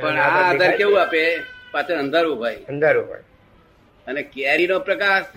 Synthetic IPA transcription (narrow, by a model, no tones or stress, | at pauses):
pəɳaːd̪əɾkeʋũapepat͡ʃʰeə̃nd̪ʱaɾubʱajənd̪aɾubə̰ | ənekaɾinopɾəkaɾ